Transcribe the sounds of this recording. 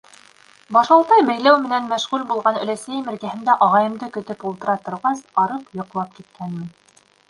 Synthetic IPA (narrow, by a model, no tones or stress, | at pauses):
bɑʃɑlˠt̪ɑjbæjlæwmɘ̆nænmæʃʁʉlʲbulˠʁɑnɵ̆læsæjmɘ̆ɾɡæhɘ̆nd̪æʔɑʁɑjɤ̆md̪ɤkɵ̆t̪ɵpulˠt̪ɤ̆ɾɑt̪ŏɾʁɑsɑɾɤpjŏqlˠɑp̚kit̪̚kænmɘ̆n